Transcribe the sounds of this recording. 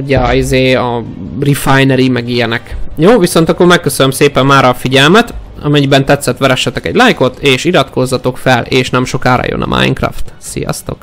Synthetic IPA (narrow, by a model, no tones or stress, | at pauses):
uɟɛizeːɒrifajnɛɾimɛɡijɛnɛkjoːviso̞nt̪ɒkːormɛkːøsønømseːpɛmːaːɾɒfiɟɛlmɛt̪ | ɒ̰mɛɲibɛnt̪ɛt̪sːɛt̪ʋɛɾɛʃːɛt̪ɛkɛ̰ɟlajko̞t̪eːʃiɾɒt̪ko̞zːɒt̪o̞kfɛleːʃnɛmʃo̞kaːɾɒ̰jo̰nɒ̰mʔa̰jŋkrɒ̰ft̪sḭjɒ̰st̪o̞̰k